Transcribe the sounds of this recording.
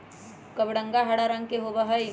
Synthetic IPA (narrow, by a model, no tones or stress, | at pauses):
kəbɽə̃ŋɡaɦaɽaɾɐ̃ŋɡkeɦobəɦəj